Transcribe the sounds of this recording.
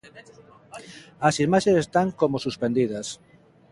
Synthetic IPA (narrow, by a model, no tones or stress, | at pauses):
ɐsimaʃesest̪aŋkomosuspend̪iðɐs